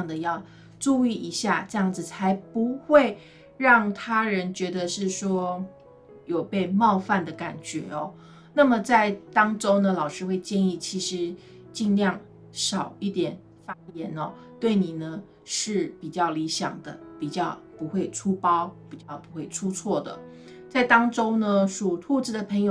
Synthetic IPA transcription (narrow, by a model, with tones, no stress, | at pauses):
ŋd̪ə˩jɑ˥˧ʊ | ʈ͡ʂu˥˧i˥˩i˧˥ɕja˥˧ʈ͡ʂɤ˥˧jɑ˥˩ŋd͡zɹ̩˩t͡sʰa˧˥ɪpu˧˥xwe˥˧ɪ | ɻɑ˥˩ŋt̪ʰa˥ɻə˧˥nt͡ɕɥɛ˧˥d̪ə˧ʂɻ̩˥˩ʂwɔ˥ | jo˨˩ʊpe˥˧ɪmɑ˥˧ʊfa˥˩nd̪ə˩ka˨˩nt͡ɕɥɛ̰˧˥ɔ˧ | na˥˩mə˩t͡sa˥˩ɪt̪ɑ˥ŋʈ͡ʂo˥ʊnə˨lɑ˨˩ʊʂɻ̩˥xwe˥˧ɪt͡ɕjɛ˥˧ni˥˩t͡ɕʰi˧˥ʂɻ̩˧˥ | t͡ɕi˥˧nljɑ˥˩ŋ | ʂɑ˨˩ʊi˥˩t̪jɛ˨˩n | fa˥jɛ˧˥nɐ˧ | t̪we˥˩ɪni˨˩nə˦ | ʂɻ̩˥˩pi˨˩t͡ɕjɑ˥˩ʊli˧˥ɕjɑ̰˨˩ŋd̪ə˦pi˨˩t͡ɕjɑ˥˩ʊpu˧˥xwe˥˩ɪʈ͡ʂʰu˥pɑ˥ʊpi˨˩t͡ɕjɑ˥˩ʊpu˧˥xwe˥˩ɪʈ͡ʂʰu˥t͡sʰwɔ˥˩d̪ə̰˩ | t͡sa˥˩ɪt̪ɑ˥ŋʈ͡ʂo˥ʊnə˧ʂu˨˩t̪ʰu˥˧t͡sɹ̩˥˩d̪ə˩pʰə˧˥ŋjo˨˧